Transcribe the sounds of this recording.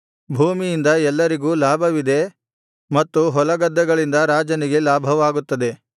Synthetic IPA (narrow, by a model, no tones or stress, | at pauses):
bʱuːmijind̪ɐɛlːɐɾiɡuːlaːbʱɐʋid̪e̞ | mɐt̪ːuɦɔlɐɡɐd̪ːɐɡɐɭind̪ɐɾaːd͡ʒɐniɡe̞laːbʱɐʋaːɡut̪ːɐd̪e̞